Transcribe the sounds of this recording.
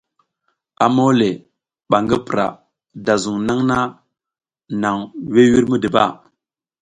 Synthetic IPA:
a̰˨mo˦le˨ | ɓa˨ŋɡə˦pə˨ɾa̰˨ | da˨zu˨ŋna˦ŋna˦ | na˨ŋwe˦wi˦ɾmə˦də˨ba̰˦˨

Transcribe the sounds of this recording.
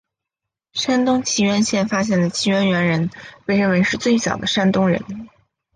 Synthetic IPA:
ʂa˥nt̪ʊ˥ŋt͡ɕʰi˧˥ɥɛ˧˥nɕjɛ˥˩nfa˥ɕ̬jɛ˥˩nd̪ə˩t͡ɕʰi˧˥ɥɛ˥nɥɛ˧˥nɻə˧˥nwe˥˧ɪə˥we˧˥ɪʂɻ̩˥˧t͡swe˥˩ɪt͡ɕjɑ̰˨˩ʊd̪ə˦ʂa˥nt̪ʊ˥ŋɻə̰˧˥n

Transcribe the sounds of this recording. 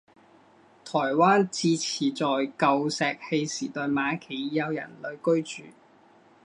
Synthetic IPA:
t̪ʰɔː˨˩jwaː˥nt͡siː˧t͡sʰiː˨˩t͡sɔː˨jkɐ˨˧wsɛː˧k̚he˧jsiː˨˩t̪ɔː˨jmaː˨˥kʰe˨˩jjɐ˨˧wjɐ̰˨˩nlɵ˨˧ɥkɵ˥ɥt͡ʃyː˨

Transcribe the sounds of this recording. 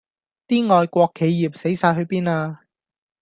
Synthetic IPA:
t̪iː˥ŋɔː˨˧jkʷɔː˧kʰːe˨˧jːiː˨˩p̚se˨˥jsaː˧jɦɵ˨˧ɥpiː˥naː˧

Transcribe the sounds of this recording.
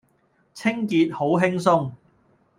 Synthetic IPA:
t͡sʰɪ˥ŋkiː˨˧t̚ho˨˥wɦɪ˥ŋs̬ʊ˥ŋ

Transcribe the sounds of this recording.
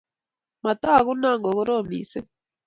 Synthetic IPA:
ma˨ta˦˨ɣu˦na˦˨ŋɡo˨ɣo˦ɾo˦˨mḭ˨se˦

